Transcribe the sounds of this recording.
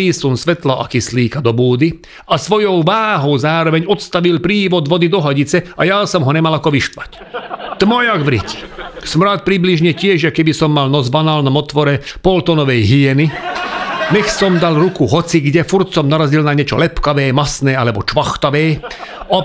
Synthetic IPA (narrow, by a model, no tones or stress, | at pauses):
iːsunsʋɛt̪laʔa̰kisliːkad̪ɔbuːd̪i | asʋɔjɔʊʋaːɦɔʊzaːɾɔʋɛɲɔt̪st̪aʋilpɾiːʋɔd̪ʋɔd̪id̪ɔɦaɟit͡sɛajaːsɔmɦɔɲɛmalakɔʋiʃt̪ʋac | t̪mɔjaɡʋɾḭci̥smɾaːt̪̚pɾibliʒɲɛcɪɛʒjakɛbisɔmːalnɔzbanaːlnɔmɔt̪ʋɔɾɛpɔlt̪ɔnɔʋɛjɦiɛni | ɲɛxsɔmd̪alɾukuɦɔt͡siɡɟɛfuɾt̪sɔmnaɾazilnaɲɛt͡ʃɔ̰lɛpkaʋɛːmasnɛːalɛbɔt͡ʃʋaxt̪aʋɛːɔ